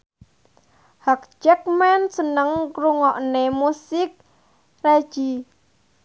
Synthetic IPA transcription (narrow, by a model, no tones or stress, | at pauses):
hak̚d͡ʒɛk̚mɛnsənəŋkɾuŋɔʔnemusɪk̚ | rḁd͡ʒ̥i